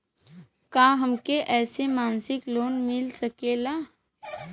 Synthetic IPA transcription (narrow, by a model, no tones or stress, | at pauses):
kaːɦɐmkeʔɛːsemaːnsɪkloːnmɪlsɐkeːlaː